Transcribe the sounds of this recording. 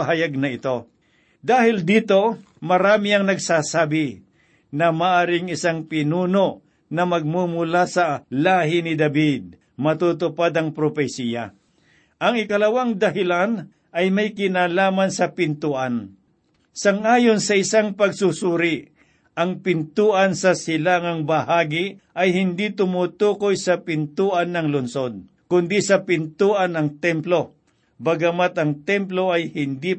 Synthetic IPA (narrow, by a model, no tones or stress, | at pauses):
aɦajaɡ̚nɐɪt̪o̞ | d̪aːhɪld̪iːt̪o̞ | mɐɾaːmɪɐŋnɐɡsaːsaːbɪ | nɐmaːʔaːɾɪŋɪsaŋpɪnuːnoʔ | nɐmɐɡ̚mumʊlasɐlaːɦɪnɪd̪ɐbid̪̚ | mɐt̪uːt̪ʊpad̪ɐŋpɾopɛsija̰ | ʔɐŋɪkɐlɐwaŋd̪ɐɦɪlan | ʔɐjmɐjkɪnaːlaːmansɐpɪnt̪uʔan | sɐŋʔaːjonsɐɪsaŋpɐɡsusuɾɪ | ʔɐŋpɪnt̪uːʔɐnsɐsɪlaŋɐŋbɐɦaːɡɪʔɐjɦɪnd̪it̪ʊmut̪uːkojsɐpɪnt̪uːʔɐnːɐŋlʊnsod̪̚ | kʊnd̪isɐpɪnt̪uːʔɐnɐŋt̪ɛmplo̞ | bɐɡɐmat̪ɐŋt̪ɛmplo̞ɐjhɪnd̪i